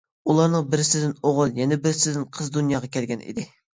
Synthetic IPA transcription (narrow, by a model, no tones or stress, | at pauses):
ulˠɑɾnɨŋbɪɾɪsɪd̪ɪnoʁʊlˠjɛnɛbɪɾɪsɪd̪ɪnqʰəzd̪unjɑːʁɑkʲʰɛlɡʲɛnḭd̪ɪ